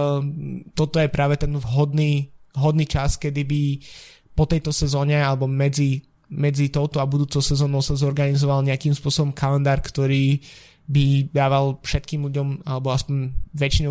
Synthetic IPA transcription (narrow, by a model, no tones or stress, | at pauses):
t̪ɔt̪ɔjɛpɾaːʋɛt̪ɛnvɦɔd̪niːɦɔd̪niːt͡ʃaskɛd̪ibi | pɔt̪ɛjt̪ɔsɛzɔːɲɛalɛbɔmɛd͡zi | mɛd͡zit̪ɔʊt̪ɔabud̪uːt͡sɔʊsɛzɔːnɔʊsazɔɾɡanizɔʋalɲɛakimspʊɔsɔbɔmkalɛnd̪aːɾkt̪ɔɾiː | bid̪aːʋalfʃɛt̪kiːmluɟɔmalɛbɔaspɔɲʋɛt͡ʃinɔ